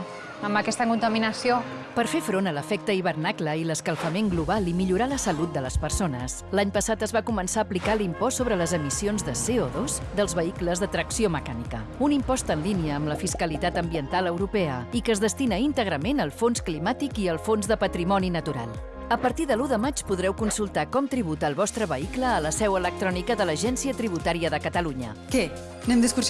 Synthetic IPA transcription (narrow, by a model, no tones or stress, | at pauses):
əmbəkɛst̪əkunt̪əminəsio | pəɾfefɾonələfɛk̚t̪əiβərnakləiləskəlˠfəmeŋɡluβalimiʎuɾaləsəlut̪̚d̪ələspərsonəslaɲpəsat̪əzβakumənsaəːplikalimpɔsːoβɾələzəmisionzðəseɔðosd̪əlˠzβəikləzðət̪ɾəksioməkanikəunimpɔst̪ənliniəːmləfiskəlit̪at̪əmbiənt̪alˠəwɾupɛəikəzðəst̪inəint̪əɣ̞ɾəmenəlˠfonsklimat̪ikiəlˠfonzðəpət̪ɾimɔninət̪uɾa̰lˠ | əpəɾt̪iðəluðəmat͡ʃpuðɾɛwkunsulˠt̪akɔmt̪ɾiβ̞ut̪əːlˠβɔst̪ɾəβəikləːləsɛwələk̚t̪ɾɔnikəðələʒɛnsiət̪ɾiβut̪aɾiəðəkət̪əluɲə̰ | kɛ | nɛmd̪əskus